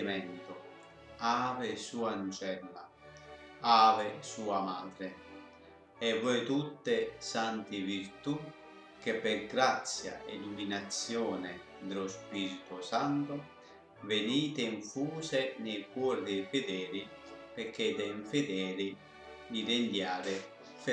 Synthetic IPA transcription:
mɛnt̪ʊ | aːvɪsuːant͡ʃɛlːa̰ | aːvɪsuːamaːd̪ɾɪ | ɛvːɔjt̪ut̪ːesant̪ɪviɾt̪u | k̟epːɪɾɡɾat̪sja̰ḛluminat̪sjɔːnɪ | d̪elʊspiːɾit̪ʊsant̪ʊ | veniːt̪eiɱfuːsenejkwɔːɾd̪ɛjfed̪ɛːɾi | peɾkːed̪ɛiɱfed̪ɛːɾi | lid̪end̪jaːɾɪ

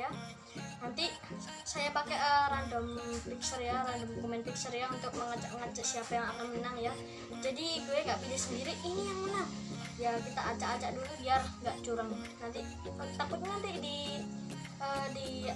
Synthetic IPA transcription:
a | nant̪isajapakɛʔərandɔmpiksərjaɾandɔmkomɛnpiksərjaunt̪ʊk̚məŋat͡ʃaʔəŋat͡ʃaʔsiapajaŋakanmənaŋja | d͡ʒadiɡuɛɡaʔpidasəndiɾiʔːnijaŋmənaŋ | jakit̪aʔːt͡ʃaːt͡ʃaʔdulubiarŋɡaʔt͡ʃuɾaŋ | nant̪i | t̪akʊt̪̚ɲnant̪idi | ədi

